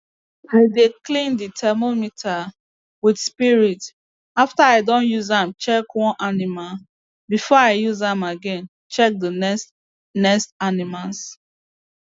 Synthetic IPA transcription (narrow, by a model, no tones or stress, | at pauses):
aɪdeklĩnditʰɛmomitʰa | widspiɹit | aftaaɪdɔ̃njuzãmt͡ʃɛkwɔ̃nʔanimal | bifɔaɪjuzãmaɡɛ̃n | t͡ʃɛk̚dənɛs | nɛstanimals